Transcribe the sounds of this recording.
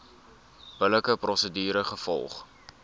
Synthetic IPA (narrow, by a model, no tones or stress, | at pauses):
b̥ələkəprɔsədiːɾəχəfɔ̰lˠχ